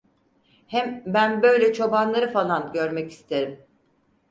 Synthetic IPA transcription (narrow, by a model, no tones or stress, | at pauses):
hɛmbænbø̞jlʲɛt͡ʃʰo̞banlˠaɾɯfalˠanɟøɾmɛci̥st̪ʰe̞ɾim